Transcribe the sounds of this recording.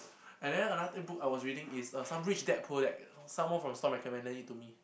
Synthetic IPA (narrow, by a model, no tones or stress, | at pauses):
ɛ̃ndɛ̃nənatə̃bukaɪwɔsɹiɾɪ̃ŋɪsʌsãmɹit͡ʃdɛt̚pʰudɛt̚sãmwɔ̃nfɹɔ̃mstɔ̃pɹɛkʰə̃mɛ̃ndə̃nitːumi